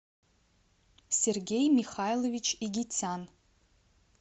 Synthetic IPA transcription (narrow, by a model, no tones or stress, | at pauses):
serɡʲe̞jmiχajlovit͡ʃʰiɡʲit͡sʲʰan